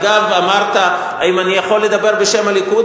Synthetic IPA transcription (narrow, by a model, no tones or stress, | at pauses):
ɡavamaʁt̪a | ajimanijaχo̞lːed̪abe̞ʁbeʃe̞malikud